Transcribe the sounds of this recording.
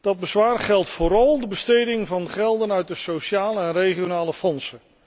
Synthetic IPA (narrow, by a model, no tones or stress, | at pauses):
d̥ɑd̚bəzʋaːrχɛlˠtfʊːɾɑlˠdəbəstejdɪŋvɑndəχɛlˠdənœɥt̚dəsowʃaːləɛnrejχionaːləfɔnsə